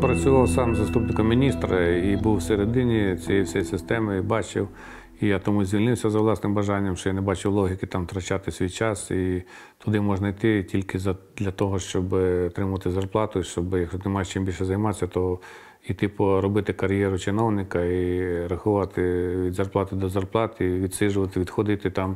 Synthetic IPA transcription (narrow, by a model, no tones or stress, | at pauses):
pɾɐt͡sʲʊʋɑwsɑmzɐst̪upnɪkɔmːʲinʲist̪ɾɐibuwseɾed̪ɪnʲit͡sʲijɛsʲɛjɛsɪst̪ɛmɪibɑt͡ʃɪw | ijat̪ɔmuzʲʋʲilʲnɪwsʲɐzɐwlˠɑsnɪmbɐʒɑnʲːɐmʃt͡ʃɔjanɛbɑt͡ʃɪwlˠɔɦʲikɪt̪ɑmt̪ɾɐt͡ʃɑt̪ɪsʲʋʲijt͡ʃɑsi | t̪ʊd̪ɪmɔʒnɐit̪ɪtʲilʲkɪzɐd̪lʲɐt̪ɔɦɔʃt͡ʃɔbɪɔt̪ɾɪmʊʋɐt̪ɪzɐrplˠɑt̪ʊiʃt͡ʃɔbɪjɐkʃɔt̪ɪmɑjt͡ʃɪmbilʲʃɛzɐjmɑt̪sʲɐt̪ɔ | it̪ɪpɔɾɔbɪt̪ɪkɐɾjɛɾʊt͡ʃɪnɔwnɪkɐiɾɐxʊʋɑt̪ɪʋʲid̪zɐrplˠɑt̪ɪd̪ɔzɐrplˠɑt̪iʋʲid̪ʲsɪʒʊʋɐt̪ɪʋʲid̪xɔd̪ɪt̪ɪt̪ɑm